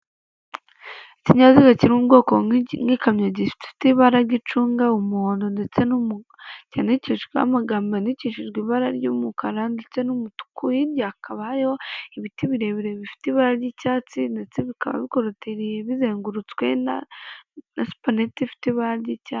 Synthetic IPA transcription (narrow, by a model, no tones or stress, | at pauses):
i̥ciɲazikaciɾuɡo̞ːkoŋɡikamɲaɟifi̥tfi̥tiβaɾaɡit͡ʃuːŋɡaumuhoːndondet͡se̞num | caniciʃɡwea̰maɡaːmbaniciʃiʒɡwiːβaɾa̰ɾɟuːmukaɾandet͡se̞numutu̥kujiɾjakʰaβajo̞iβitiβiɾe̞βiɾeβifi̥tiβaɾaɾɟicaːt͡sinde̞t͡seβika̰βa̰βiko̞ɾotʰeɾijeβizeːŋɡuɾut͡skwe̞na | nasu̥panetifi̥tiβaɾaɾɟicaː